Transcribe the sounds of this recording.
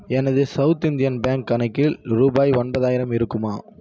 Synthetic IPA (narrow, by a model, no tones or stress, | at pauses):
ɛnɐðɯsɐʊt̪ɪnd̪ɪjɐnbaːŋkːɐnɐɪkːɪlɾuːbaːjɔnbɐðaːjɪɾɐmɪɾɯkːɯmaː